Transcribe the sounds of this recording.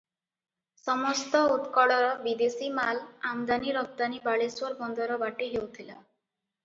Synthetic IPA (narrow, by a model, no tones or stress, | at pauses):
sɔmɔst̪ɔut̪kɔɽɔɾɔbid̪esimalamd̪aniɾɔkt̪anibaɭeswɔɾbɔnd̪ɔɾɔbaʈiɦewt̪ʰila